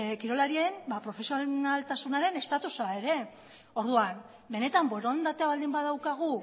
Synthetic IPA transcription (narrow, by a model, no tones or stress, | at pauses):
kiɾo̞laɾie̞mbapɾo̞fe̞sionalt̪asunaɾe̞ne̞st̪at̪usae̞ɾe̞ | o̞ɾðuan | be̞ne̞t̪amboeɾond̪at̪eaβald̪imbaðawkaɣ̞u